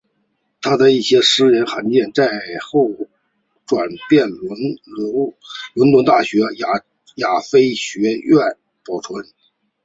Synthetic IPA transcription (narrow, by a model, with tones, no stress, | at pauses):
t̪ʰa˥d̪ə˨i˥˩ɕjɛ˥ʂɻ̩˥ɻə˧˥nxa˧˥ŋt͡ɕjɛ˥˧nt͡sa˥˧ɪxo˥˩ʊ | ʈ͡ʂwa˨˩npjɛ˥˩nlnllʊ˧˥nlə˧˥ŋt̪a˥˩ɕɥɛ˧˥ | ja˨˩fe˥ɪɕɥɛ˧˥ɥɛ˥˩n | pɑ˨˩ʈ͡ʂʰwə˧˥n